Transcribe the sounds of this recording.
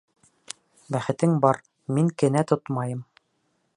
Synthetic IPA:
bæχɘ̆t̪ɘŋbɒɾ | miŋkɘ̆næt̪ot̪mɑjɤm

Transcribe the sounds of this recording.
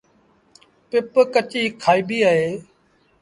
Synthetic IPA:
pɪpkət͡ʃiːkʰaːiːbiːaːɦeː

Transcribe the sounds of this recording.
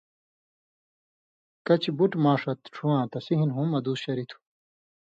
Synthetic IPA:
kɐt͡ɕʰibuʈmãːʂɐt̪ʈ͡ʂʰuwãːt̪ɐsiɦinɦũmɐd̪uːsɕɐɾit̪ʰu̥

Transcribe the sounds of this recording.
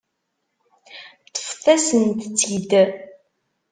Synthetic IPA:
t̪ːə̥fθæsənt̪t͡sːjd̪ə

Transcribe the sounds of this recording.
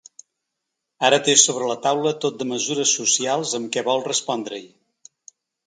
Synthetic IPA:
aɾət̪esoβ̞ɾələt̪awlət̪ot̪̚d̪əməzuɾəsːusialˠzəmkɛβɔlˠrəspɔnd̪ɾə̰j

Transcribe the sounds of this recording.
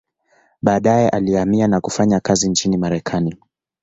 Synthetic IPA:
ɓaːɗajɛʔaliamianakufaɲakazint͡ʃinimaɾɛkʰani

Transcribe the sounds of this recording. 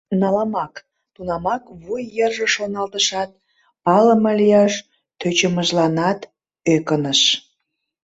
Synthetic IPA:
nɑlɑmɑk | t̪unɑmɑkβujːerʒəʃonɑlt̪əʃɑt̪̚ | pɑləmɑlijɑʃ | t̪øt͡ɕəməʒlɑnɑt̪ | økənəʃ

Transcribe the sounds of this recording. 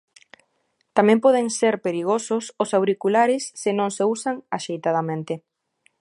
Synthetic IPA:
t̪amɛ̃mpɔð̞eŋseɾpeɾiɣ̞osʊsʊsawɾikulaɾɪsːɪnõŋseusaŋaʃejt̪að̞amẽnt̪ɪ

